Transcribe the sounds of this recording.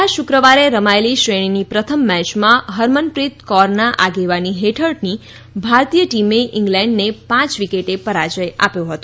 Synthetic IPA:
aʃukɾəʋaɾeɾəmaeliʃɾeɽ̃inipɾət̪ʰəmːɛt͡ʃmãɦəɾmənpɾit̪kɔɾnaʔaɡeʋaniɦeʈʰəɭʈni | bʱaɾt̪ijəʈimeʔĩŋɡlɛ̃ɳɖnepãt͡ʃʋikeʈepəɾat͡ʃəja̰pjõɦət̪o

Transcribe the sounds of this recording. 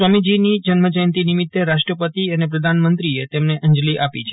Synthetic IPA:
ʋamid͡ʒinid͡ʒənməd͡ʒəjnt̪inimit̪ːeɾaʃʈɾəpət̪iənepɾəd̪ʱanmənt̪ɾiet̪emneʔəɲd͡ʒliʔapit͡ʃʰe

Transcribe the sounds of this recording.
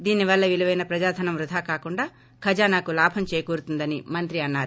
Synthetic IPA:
d̪iːniʋɐlːɐʋiluʋɐjnɐpɾɐd͡ʒaːd̪ʱɐnɐmɾud̪ʱaːkaːkuɳɖaː | kʰɐd͡ʒaːnaːkulaːbʱʰɐmt͡ʃeːkuːɾut̪und̪ɐnimɐnt̪ɾiɐnːaːɾu

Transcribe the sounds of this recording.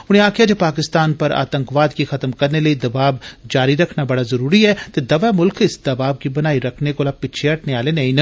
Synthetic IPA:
ʊñẽaːkʰjad͡ʒeːpaːkɪst̪aːnpɐɾa̰ːt̪ə̃ŋkʋaːd̪kixɐt̪mkɐɾneləid̪ɐbaːbd͡ʒaːɾiɾɐkʰnabɐɽazɐɾuːɾiɛːt̪ed̪ɐʋamʊlkʰɪsd̪ɐbaːb̚kibɐnaːiɾɐkʰnekolapɪʃʰeɐʈʰneaːlenɐĩnə

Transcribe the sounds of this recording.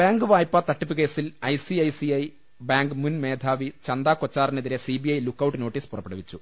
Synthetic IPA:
b̥aːŋɡɨʋaːjpːat̪ɐʈːupːuke̞ːsilɐjsiɐjsiɐj | baːŋɡɨmunme̞ːd̪ʱaːʋit͡ɕɐnd̪aːkot͡ɕːaːrineðiɾesibiɐjlukːɐwʈːɨno̞ːʈːiːspurɐpːeɽɐʋit͡ɕːu

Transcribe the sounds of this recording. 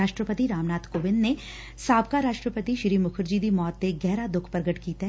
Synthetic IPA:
aːʃʈɾəpət̪iɾaːmnaːt̪ʰkoːʋɪnne | saːb̚kaɾaːʃʈɾəpət̪iʃɾiːmʊkʰʊɾd͡ʒid̪imɔːt̪ːeɡɛːɾad̪ʊkʰpɾɡəʈkiːt̪ɦ

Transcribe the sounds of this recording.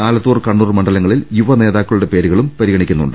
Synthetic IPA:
aːlɐðuːrkɐɳːuːrmɐɳɖɐlɐŋːɐɭiljuʋɐne̞ːðaːkːɐɭuɽe̞pe̞ːɾuɣɐɭumpɐɾiɣɐɳikʲːunːṵɳɖɨ

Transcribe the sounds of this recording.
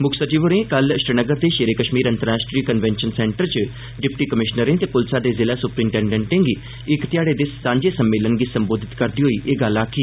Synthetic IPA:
mʊkʰsət͡ʃiʋoɾẽːkəlʃɾənəɡəɾd̪eːʃeɾeːkəʃmiːɾə̃nt̪əɾaːsʈɾiːkənʋɛ̃nʃənsɛ̃ːɳʈəɾt͡ʃə | ɖɪpʈiːkəmɪʃnəɾẽt̪epʊlsaːd̪eːzɪlaːsʊpɾĩːɳʈɛːɳɖɛ̃ːɳʈẽːŋɡi | ɪkt̪ɪjaːɽeːd̪ɪssãːɲd͡ʒeːsəmːeːlənɡisəmboːd̪ʱɪt̪kəɾd̪iːɦoiːʔeːɡəlaːkʰiː

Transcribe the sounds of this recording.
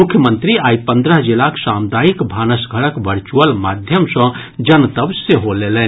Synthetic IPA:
mukʰːjəmənt̪ɾiaipə̃nd̪ɾəɦd͡ʒilaksamd̪aikbʱanəsɡʱəɾəkʋəɾt͡ʃuəlmad̪ʱjəmsə̃ | d͡ʒənt̪əbseɦolelɛn

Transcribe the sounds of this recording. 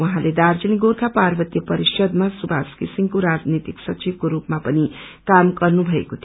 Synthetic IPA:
waɦãled̪ard͡ziniɡorkaparbʌt̪jʌpʌɾisʌd̪masubʱaskisiŋkoɾad͡znit̪iksʌt͡sibkoɾupmapʌnikamɡʌrnubʱʌḛkot̪ʰi

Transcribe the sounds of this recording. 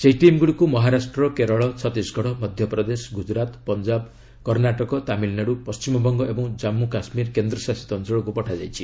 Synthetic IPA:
seɦiʈimɡuɽikumɔɦaɾasʈɾɔkeɾɔɭɔt͡ʃʰɔt̪isɡʱɔɽɔmɔd̪ʱjɔpɾɔd̪esɡud͡ʒɾat̪pɔnd͡ʒab | kɔɾnaʈɔkɔt̪amilnaɽupɔst͡ʃimɔbɔŋɡɔebɔŋd͡ʒamːukasmiɾkend̪ɾɔsasi̥t̪ɔnsɔɭɔkupɔʈʰad͡ʒajt͡ʃʰi

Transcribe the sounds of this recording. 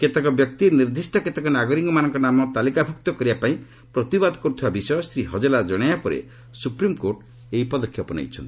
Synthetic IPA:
ket̪ekɔbjɔk̚t̪iɾniɾd̪isʈɔket̪ekɔnaɡɔɾiŋɡɔmanɔŋkɔnamɔt̪alikabʱukt̪ɔkɔɾibapaĩ | pɾɔt̪ibad̪ɔkɔɾut̪ʰibabisɔjɔsɾiɦɔd͡ʒelad͡ʒɔɽ̃ajapɔɾḛ | supɾimkoɾʈ | eɦipɔd̪ɔkʰːjɔpɔna̰jt͡ʃʰɔnt̪i̥

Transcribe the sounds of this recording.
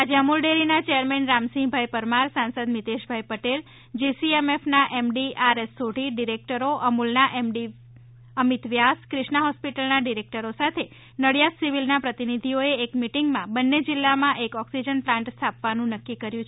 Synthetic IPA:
ad͡ʒeəmulɖeɾinat͡ʃejəɾmɛnɾamsĩŋbʱajpəɾmaɾsãnsəd̪mit̪eʃbʱajpəʈel | d͡ʒisiemefnaʔemɖiaɾesːoʈiɖiɾek̚ʈəɾoʔəmulnaʔemɖi | əmit̪ʋjaskɾɪʃnaɦɔspiʈəlnaɖiɾek̚ʈəɾosat̪ʰe | nəɽjat̪siʋilnapɾət̪inid̪ʱioeːkmiʈiŋɡmãbənːed͡ʒilːamãʔekɔksid͡ʒənplãɳʈst̪ʰapʋanũnəkːikəɾjũt͡ʃʰ

